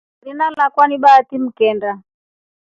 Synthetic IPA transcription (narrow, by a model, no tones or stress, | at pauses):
ɾinalakwaniɓaːtim̩kɛnda